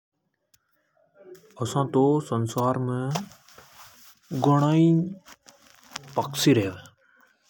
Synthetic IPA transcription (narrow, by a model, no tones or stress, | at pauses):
əsãːt̪oːsənsaːɾmẽ | ɡʊɳaːĩː | pəksiːɾeːʋ